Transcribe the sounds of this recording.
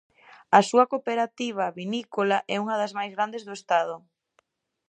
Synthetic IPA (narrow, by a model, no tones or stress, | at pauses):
ɐsuɐkopeɾat̪iβ̞aβinikolaʔɛuŋɐðazmajzɣɾand̪ezðʊest̪aðʊ